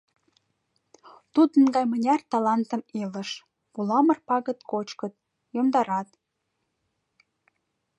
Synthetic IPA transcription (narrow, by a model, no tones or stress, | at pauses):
t̪ud̪ənɡɑjmənʲɑrt̪ɑlɑnt̪ə̆melə̆ʃ | pulɑmə̆rpɑɣə̆t̪kot͡ɕkə̆t̪̚ | jomd̪ɑɾɑt̪